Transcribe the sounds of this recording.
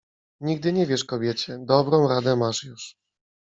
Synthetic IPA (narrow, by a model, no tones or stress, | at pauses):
ɲiɡ̚d̪ɘɲɛvʲjɛʂkɔbʲjɛt͡ɕɛd̪ɔbɾɔ̃w̃ɾad̪ɛmaʂjuʂ